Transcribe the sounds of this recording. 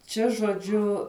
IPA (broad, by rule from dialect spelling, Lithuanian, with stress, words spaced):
ˈt͡ʃʲɛ ʒoːˈd͡ʒʲʊ